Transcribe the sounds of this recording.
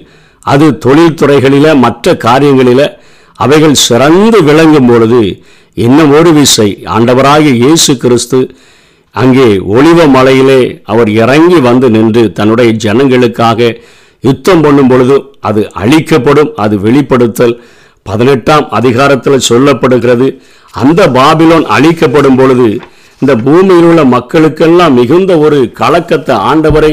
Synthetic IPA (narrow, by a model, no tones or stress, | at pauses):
ɐðɯt̪ɔɭɪlt̪ʊrɐɪɣɐɭɪlɐmɐʈrɐkaːɾɪjɐŋɡɐɭɪlɐ | ɐʋɐɪɣɐɭsɪɾɐnd̪ɯʋɪɭɐŋɡɯmpɔɻɯðɯ | ɛnːɐɔɾɯʋɪʂɐɪa̰ːɳɖɐʋɐɾaːɣɐjeːsɯkɪɾɪst̪ɯ | ɐŋɡeːɔɭɪʋɐmɐlɐjɪleːɐʋɐɾɪrɐŋɡiʋɐnd̪ɯnɪndrɯt̪ɐnːɯɽɐjɐd͡ʒɛnɐŋɡɐɭɯkːaːɣɐ | ʊt̪ːɐmpɔɳːɯmpɔɻɯðɯʔɐðɯʔɐ̰ɭɪkːɐpːɐɽɯmɐðɯʋɛɭɪpːɐɽɯt̪ːɐl | pɐðɪnɛʈːaːmɐðɪɣaːɾɐt̪ːɪlɐsɔlːɐpːɐɽɯɣɪrɐðɯ | ɐ̰nd̪ɐbaːbɪloːnɐ̰ɻɪkːɐpːɐɽɯmpɔɻɯðɯ | ɪnd̪ɐbuːmɪjɪlɯɭːɐmɐkːɐɭɯkːɛlːãːmːɪɣɯnd̪ɐɔɾɯkɐlɐkːɐt̪ːɐa̰ːɳɖɐʋɐɾɐɪ